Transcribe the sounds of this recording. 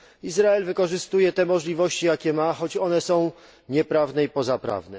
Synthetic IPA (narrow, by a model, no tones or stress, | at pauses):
izɾaɛlvɘkɔʐɘst̪ujɛt̪ɛmɔʐlʲivɔɕt͡ɕijakʲɛmaxɔt͡ɕɔnɛsɔ̃w̃ | ɲɛpɾavnɛipɔzapɾa̰vnɛ